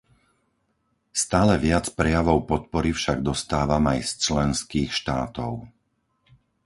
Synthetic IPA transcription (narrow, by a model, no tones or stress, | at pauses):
st̪aːlɛʋɪat͡spɾɛjaʋɔʊpɔt̪̚pɔɾifʃaɡ̚d̪ɔst̪aːʋamajst͡ʃlɛnskiːxʃt̪aːt̪ɔʊ